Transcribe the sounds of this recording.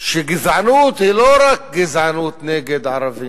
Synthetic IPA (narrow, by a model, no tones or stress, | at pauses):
ʃeɡɪzʕanut̪hiloɾak̚ɡɪzʕanuːt̪nɛɡed̪ʕaɾavi